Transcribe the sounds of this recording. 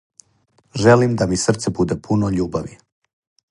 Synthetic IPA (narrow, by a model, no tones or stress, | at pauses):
ʒelimd̪amisr̩t̪sebud̪epʰunoʎuːbaʋi